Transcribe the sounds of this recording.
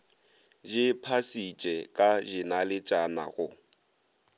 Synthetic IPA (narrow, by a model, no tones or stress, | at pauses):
ʒɪpʰasit͡ʃʼɛkʼaʒɪnalɪt͡ʃʼana̰ɣʊ